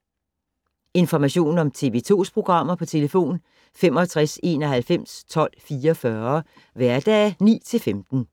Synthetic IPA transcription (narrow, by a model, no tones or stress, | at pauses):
e̝nfɒmæɕo̝̰ːnɒ̽mt͡sʰe̝̰ːʋe̝ːt͡sʰo̝̰ːspʰʁo̝ɡ̥ʁɑ̈m̰ɐpʰɒ̽t͡sʰe̝ləfo̝̰ːn | femɒ̽t͡sʰʁase̝ːnɒ̽ɦælfem̰st͡sʰɒ̽l̰fiːɒfɶɐ | ʋæɐd̥ɛːnḭːt͡sʰe̝lfemd̥n̩